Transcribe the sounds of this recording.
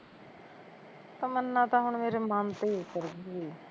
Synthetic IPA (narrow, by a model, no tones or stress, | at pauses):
t̪əmənːãːt̪ãːɦʊɳmeːɾemant̪eikəɾɡiɡiː